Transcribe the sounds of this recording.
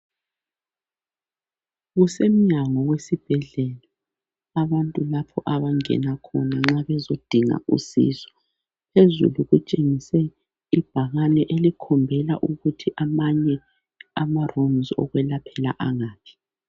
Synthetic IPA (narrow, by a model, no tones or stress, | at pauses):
ɣusem̩ɲaŋɔwesib̥ʱɛɮɛla | aβantʼulapʰɔʔaβaŋɛ̰nakʰɔnaŋ͡ǁaβɛzod̥ʱiŋa̰ṵsḭːzɔ̥ | pʰezṵluɣut͡ʃʼeŋisɛ | ib̥ʱaɣanɛʔelikʰɔmbʱɛla̰ʔuɣutʰiʔamaɲɛ | amaromzɔ̰ɣwɛlapʰɛla̰ʔaŋaːpʰi̥